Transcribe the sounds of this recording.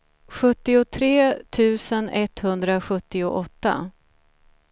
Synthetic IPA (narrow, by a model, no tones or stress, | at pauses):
ɧɵt̪ːɪʊt̪ʰɾeːt̪ʰʉ̟ːsənɛt̪hɵnd̪ɾaɧɵt̪ːɪʊʔɔt̪ːa̰